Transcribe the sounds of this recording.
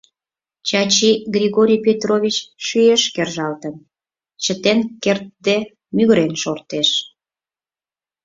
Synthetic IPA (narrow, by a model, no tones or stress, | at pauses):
t͡ɕɑt͡ɕiɡrʲiɣoɾʲijpʲet̪rovʲit͡ɕʃyeʃkerʒɑlt̪ən | t͡ɕət̪enkert̪̚d̪e | myɣɾenʃort̪eʃ